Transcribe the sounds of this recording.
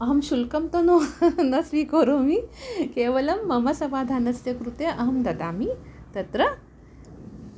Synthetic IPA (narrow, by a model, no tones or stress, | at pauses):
ɐɦɐmɕulkɐmt̪ɐnonɐsʋikoɾomikeːʋɐlɐmːɐmɐsɐbaːd̪ʱaːnɐsjɐkɾut̪eʔɐɦɐmd̪ɐd̪aːmit̪ɐt̪ɾɐ